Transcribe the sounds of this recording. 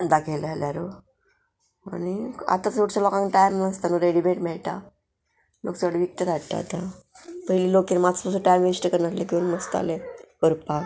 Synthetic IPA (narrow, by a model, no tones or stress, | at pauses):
d̪akʰelaljaɾo | a̰nia̰t̪at͡suɽt͡ɕalɔkãŋkʈajmnəst̪anuɾeɽibeʈmɛɭʈ̪a | loksaʋəɽiʋik̚t̪əd̪ʱaʈ̪a̰ːt̪a | pəɦjliːlokinmaspəsuʈajmʋisʈəkəɾnat̪lekeunməst̪a̰lekəɾpa